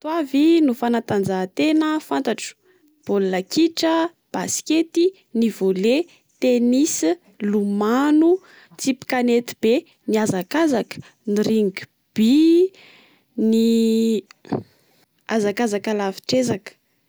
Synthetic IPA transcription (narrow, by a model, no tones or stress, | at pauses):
t̪wavinufanat̪and͡zat̪enəfant̪aʈ͡ʂu̥ | b̥olulakiʈ͡ʂə | b̥askʲet̪i | nivole | t̪enis | lumanu | t͡sipi̥kanet̪ib̥e | niazakazakə̥ | niɾiŋɡi | b̥i | ni | azakazakalafi̥ʈ͡ʂezakə̥